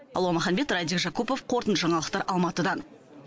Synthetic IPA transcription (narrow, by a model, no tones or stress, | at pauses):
ɑ̰lˠwɑməχɑnbe̞t̪rad̪ʲikʒɑkupo̞fqʰo̞ɾt̪ənʒɑɴɑlˠəqt̪ɑɾɑlˠmɑt̪əd̪ɑn